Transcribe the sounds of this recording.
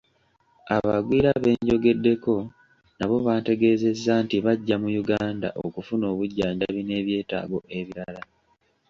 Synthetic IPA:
aβaɡwiːɾaβe̞ːɲɟo̞ɡe̞dːe̞ko̞ | naβo̞βaːnte̞ɡe̞ːze̞zːantiβaɟːamujuɡaːnda̰ʔo̰kufuno̞ːβuɟːaːɲɟaβine̞ːβje̞ːta̰ːɡo̞ʔe̞βiɾala

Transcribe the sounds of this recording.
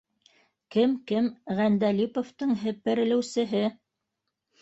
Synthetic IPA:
kɘmkɘmʁænd̪ælipŏft̪ɤɴɦɘ̆pɘ̆ɾɘ̆lɘ̆wsɘ̆ɦɘ

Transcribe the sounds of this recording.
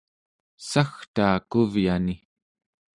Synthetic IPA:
saxt̪aːkuvjani

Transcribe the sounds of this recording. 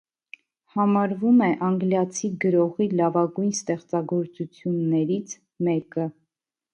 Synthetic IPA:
hɑmɑɾvumɛʔɑŋɡljɑt͡sʰiɡəɾɔʁilɑvɑɡujnst̪ɛχt͡sɑɡɔɾt͡sut͡sʰjunːɛɾit͡sʰ | mɛkə

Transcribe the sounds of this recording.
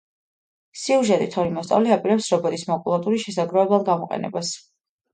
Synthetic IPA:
siuʒɛt̪ʼit̪ʰɔɾimɔst̪ʼa̰vliapʼiɾɛpsɾɔbɛɾismɔkʼulˠat̪ʼuɾiʃɛsaɡɾɔɛblˠad̪ɡamɔqʼɛ̰nɛ̰bas

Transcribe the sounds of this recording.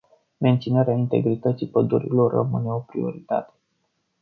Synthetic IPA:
me̞nt̪sinaɾeaint̪e̞̰ɡɾit̪ət̪sipəd̪uɾḭlo̞rə̰mɨne̞o̞pɾio̞̰ɾit̪a̰t̪e̞̥

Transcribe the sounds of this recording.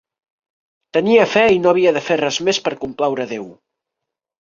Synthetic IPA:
t̪əniəfɛinoəβ̞iəðəferɛzmespəɾkumplawɾəðew

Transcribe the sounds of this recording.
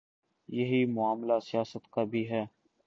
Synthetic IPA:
jɐɦiːmʊaːmlaːsɪjaːsət̪kaːbʱiːɦɛː

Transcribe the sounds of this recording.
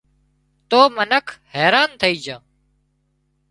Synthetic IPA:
t̪oːmənəkʰhɛːɾaːnt̪ʰəiːd͡ʒãː

